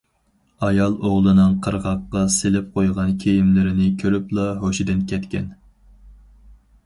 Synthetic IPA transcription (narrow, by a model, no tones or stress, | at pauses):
ɑjɑlˠoʁlˠɨnɨŋqʰəɾʁɑqːɑselɪp̚qʰojʁɑnkʲʰejimlɪɾɪnɪkʲʰøɾyplˠɑɦoʃid̪ɪnkʲʰɛt̪kʲɛn